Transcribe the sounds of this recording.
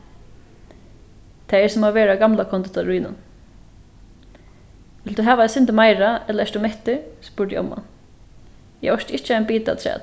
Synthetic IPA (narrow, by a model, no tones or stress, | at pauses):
t̪ʰɛːɛsɔmaʋeːɾaɡamlakʰɔnt̪ʊt̪ʰaɾuːjnʊ̰n | ʋɪld̪uɦæːʋaɛsʏnt̪əmajɹaɛt̪ləɛʂt̪ʊmɛht̪ɪspʊːɹʈj̰ɔ̰mːa̰n | jɛ̰ɔʃt̪ɪht͡ʃːəaɪnbiːt̪a̰t̪ʰɾɛ̰ːt̪